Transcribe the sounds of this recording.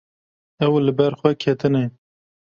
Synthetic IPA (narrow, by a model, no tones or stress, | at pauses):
ɛwlɨbɛɾxʷɛkʰet̪ɨne